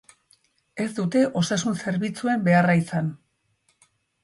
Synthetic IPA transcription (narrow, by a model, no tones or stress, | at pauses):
e̞zd̪ut̪e̞ʔo̞sasunse̞ɾβit͡sue̞mbe̞araisan